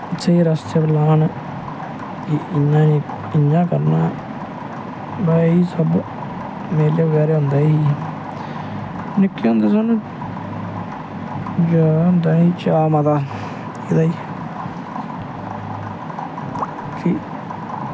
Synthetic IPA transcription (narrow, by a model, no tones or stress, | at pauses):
ɪt͡ʃʰːeːiːɾəst̪epəlaːn | kɪɪnːãːnĩː | ɪɲːãːkəɾna̰ː | bɛiːsəb | meːljeːʋəɡɛːɾeːɦʊ̃ːnd̪aːiiː | nɪkːiːõnd̪eːs̬ən | d͡ʒaɦnd̪aːnĩːt͡ʃaːmad̪aː | iːd̪aːiː | ki